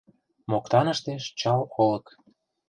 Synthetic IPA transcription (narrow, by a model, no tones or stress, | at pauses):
mokt̪ɑnəʃt̪eʃt͡ɕɑlolɤ̆k